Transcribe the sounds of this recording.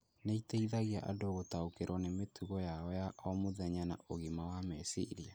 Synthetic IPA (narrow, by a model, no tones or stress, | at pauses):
neiteiðaɣiaʔa̰doɣotaokeɾwɔnemetuɣɔjaɔjaʔɔmoðɛɲana̰ʔoɣimawamɛsḭɾia